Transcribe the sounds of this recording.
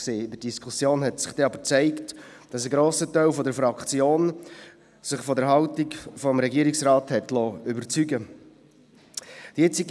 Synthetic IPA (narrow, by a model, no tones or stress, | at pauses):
seːɪdəɾdiskʰusjoːnhɛtsɪ̥χd̥ɛɑbəɾt͡sæɪkt | d̥ɑsəɡɾoːsətœɪlfɔdəɾfɑkt͡sjoːn | sɪχfɔdəɾɦɑltikfɔmɾɛɡiəɾiksɾɑːthɛtlɔʏbəɾt͡syɡə | d̥jɛt͡siɡ